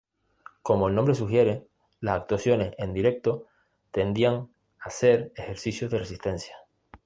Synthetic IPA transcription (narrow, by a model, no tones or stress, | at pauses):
ko̞mo̞elnombɾe̞suxje̞ɾe̞ | lasak̚t̪wasjo̞ne̞send̪iɾe̞k̚t̪o̞ | t̪e̞nd̪iaŋ | ase̞ɾexe̞ɾsisjo̞zðeresist̪e̞nsjḁ